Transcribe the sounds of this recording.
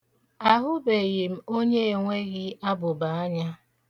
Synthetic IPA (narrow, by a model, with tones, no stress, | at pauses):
a˦ɦʊ˦be˨ɣɪ˨m̩˦o˦ɲe˦e˨ŋʷe˦ɣɪ˦a˦bʊ˨ba˨a˦ɲa˦